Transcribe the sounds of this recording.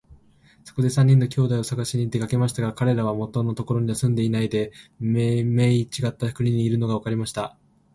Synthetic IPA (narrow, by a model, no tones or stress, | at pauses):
so̞̥ko̞d̪e̞sãɲ̟ːĩnːo̞kʲo̞ːd̪aio̞saɡaɕiɲ̟iːt̪ːe̞kake̞maɕi̥t̪aɡakaɾe̞ɾaβ̞amo̞t̪ːono̞t̪o̞ko̞ɾo̞ɲ̟iɲasɨ̃nd̪e̞inaid̪e̞meme̞it͡ɕiɡat̪ːaɯ̥kɯ̟ɾʲiɲ̟iːɾɯ̟no̞ɡaβ̞akaɾʲimaɕi̥t̪a